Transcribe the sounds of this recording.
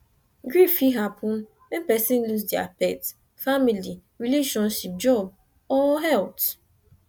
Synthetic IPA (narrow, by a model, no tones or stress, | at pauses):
ɡɹifiɦapʰʊ̃n | wɛ̃npɛsĩnlusdia̰pɛt | famili | ɹileʃɔ̃nʃip̚d͡ʒɔb̚ | ɔɦɛlt